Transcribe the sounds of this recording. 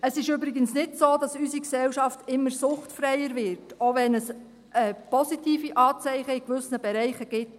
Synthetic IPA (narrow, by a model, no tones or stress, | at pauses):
əsɪʃøbɾɪɡənsnɪtsoːd̥ɑsysiksɛwʃɑftɪmːəɾsʊχtfɾɛjəɾʋɪɾtoʋɛnəs | ʔɛpɔsitiːfiʔɑːt͡sɛɪχəɪkʋʏsnəb̥ɛɾɛɪχəɡ̥ɪt